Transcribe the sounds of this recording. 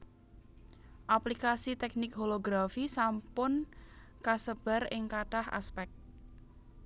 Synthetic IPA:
ʔaplikasit̪ɛk̚nɪk̚ɦoloɡɾafisampʊnkasəb̥a̤rɪŋkaʈaha̰spɛk̚t̪̚

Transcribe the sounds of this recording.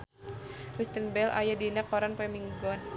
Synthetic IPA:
kɾist̪ənbɛla̰jadinakɔɾanpɛmiŋɡɔn

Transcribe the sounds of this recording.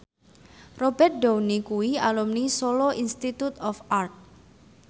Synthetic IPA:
robɛrt̪̚downikuwialumnisoloʔinst̪it̪ut̪ɔfart̪̚

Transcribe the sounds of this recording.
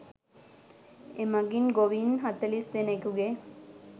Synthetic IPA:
emaɡinɡoʋinɦat̪ɐlisd̪enekuɡe

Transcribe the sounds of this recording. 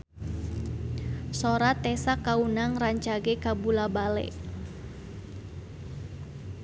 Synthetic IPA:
soɾat̪ɛsakaunaŋraɲt͡ʃaɡɛkabulabalɛ̰

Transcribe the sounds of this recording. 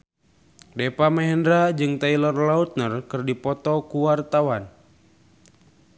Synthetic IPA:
depamɛɦɛndɾad͡ʒɨŋt̪ailɔrlaut̪̚nərkɨrdipɔt̪ɔkuwart̪awan

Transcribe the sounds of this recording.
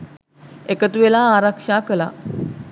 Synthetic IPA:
ekət̪uʋelaːɾakʂaːkəla̰

